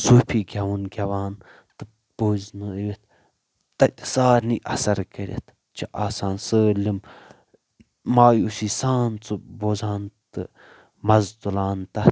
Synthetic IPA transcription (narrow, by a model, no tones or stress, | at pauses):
suːpʰiɡʲɐʋunɡʲɐʋaːn | t̪ɨ | b̥oːznɨiʋet̪̚ | t̪ɐt̪ʲsaːɾniʔɐsɐɾkɐɾʲḛt̪ʰ | t͡ʃʰiʔaːsaːnsɨlim | maːjusiːsaːnt͡sɨboːzaːnt̪ɨ | mɐzt̪ulaːnt̪ɐ